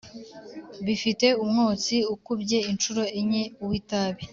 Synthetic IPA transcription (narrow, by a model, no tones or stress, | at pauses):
βifite̞umŋoːt͡siukubɟe̞int͡ʃuɾo̞eɲeuwitaβi